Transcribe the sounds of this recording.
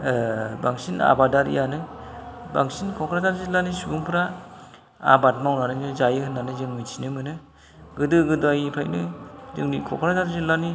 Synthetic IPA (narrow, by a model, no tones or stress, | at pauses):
baŋsina̰badaɾḭjanɯba̰ŋsinkʰɔkʰɾadaɾzilanisubuŋpʰɾa | a̰bat̚mawnanɯnɯzajɯhɯnːanɯzɯŋmɯjtʰinɯmɯnɯ | ɡɯdɯɡɯdajpʰajnɯzɯ̰ŋnikʰɔkʰɾadaɾzilani